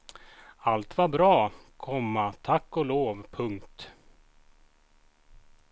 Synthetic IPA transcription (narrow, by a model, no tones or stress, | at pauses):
alt̪vaɾbɾɑːkʰɔmːat̪ʰakːɔloːvpʰɵŋkt̪